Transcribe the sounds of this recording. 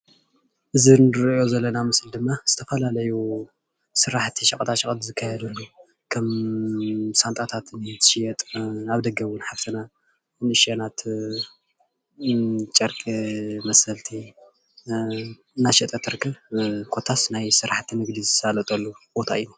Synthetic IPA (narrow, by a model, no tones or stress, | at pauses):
ʔɨzinɨɾjo̞zɐlːɐnamɨsld̪ɨmːaz̥ɨt̪ʰɐfɐlalɐju | sɨɾaħt̪ʰiʃɐkʼt̪ʰaʃɐkʼt̪zɨkʰːajɛd̪ɐlːu | kʰɐm | sant̪ʼat̪ʰat̪nɨt̪ʰʃijɛt̪ʼnaβd̪ɐɡɐβʊnħaft̪ʰɐna | nɨʃanat̪ | t͡ʃʼɐɾkʼimɐsɐlt̪ʰi | naʃit̪ʼɐt̪ʰːɨɾɨkʰːɐβkʰo̞t̪ʰasnajsɨɾaħt̪ʰinɨɡd̪izɨsalɐt̪ʼɐlːubot̪ʰaina